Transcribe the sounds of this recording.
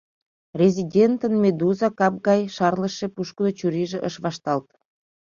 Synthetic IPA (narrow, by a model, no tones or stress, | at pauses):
rʲezʲidʲent̪ənmed̪uzɑkɑp̚ɣɑjʃɑrləʃepuʃkənot͡ɕuɾiʒeʔəʃβɑʃt̪ɑlt̪